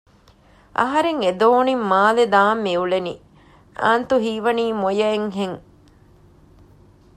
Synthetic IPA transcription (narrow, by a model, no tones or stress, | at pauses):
ʔɐ̰ɦɐɾeŋed̪oːnimːaːled̪aːmːiuleni | ʔa̰ːnt̪uɦiːʋɐniːmojɐeŋɦeŋ